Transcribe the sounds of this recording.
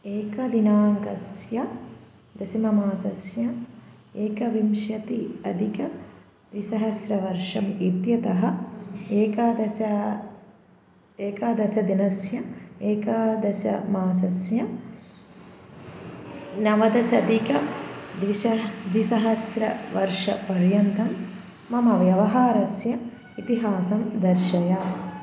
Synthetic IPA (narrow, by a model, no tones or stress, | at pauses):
eːkɐd̪inaːŋkɐsjɐ | d̪ɐsimɐmaːsɐsjɐ | eːkɐʋimʃjɐt̪iɐd̪ʱikɐ | d̪ʋisɐɦɐsɾɐʋɐɾʂɐmit̪jɐt̪ɐɦɐeːkaːd̪ɐsɐ | eːkaːd̪ɐsɐd̪inɐsjɐeːkaːd̪ɐsjɐ̰maːsɐsjɐ | nɐʋɐd̪ɐsɐd̪ʱikɐd̪ʋiʃɐd̪ʋisɐɦɐsɾɐ̰ʋɐɾʂɐ̰pɐɾjɐnt̪ɐmː | ɐmɐʋjɐʋɐɦaːɾɐsjɐ | it̪iɦaːsɐmd̪ɐɾʃɐjaː